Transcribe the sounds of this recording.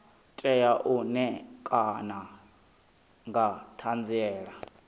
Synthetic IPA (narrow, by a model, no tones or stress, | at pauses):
tʼɛjaʔunɛkʼana | ŋɡatʰand͡ziɛːɺa